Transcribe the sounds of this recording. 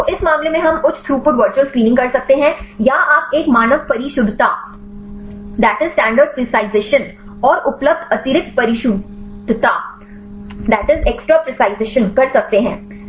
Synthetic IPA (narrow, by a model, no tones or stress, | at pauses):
t̪oʔɪsmaːmlemẽɦɐmkʊt͡ʃʰt̪ʰɾuːpʊɖʋəɾt͡ʃəlskɾĩːnɪ̃ŋkɐɾsɐk̚t̪eɦɛ̃jaaːpeːkmaːnəʋpɐɾɪʃʊd̪ʱt̪a̰ː | d̪æːʈɪzsʈæ̃ːɳɖəɾɖ̚pɾɪsaːɪzeːʃən | ɔːɾʊpləb̚d̪ʱɐt̪ɪɾɪk̚t̪̚pɐɾɪʃʊd̪ʱt̪a̰ː | d̪æːʈɪzeksʈɾaːpɾɪsaːɪzeːʃə̃nkɐɾsɐk̚t̪eɦɛ̰̃ː